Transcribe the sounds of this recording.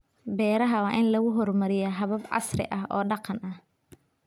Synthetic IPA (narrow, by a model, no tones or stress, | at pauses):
bɛːɾɐɦɐwɑːʔɪnlɐɣʊɦɔrmɐɾɪjɔɦɐβɐbʕɑ̰srɪ̰ʔɐɦɔ̰ːɖɑqɑnɐh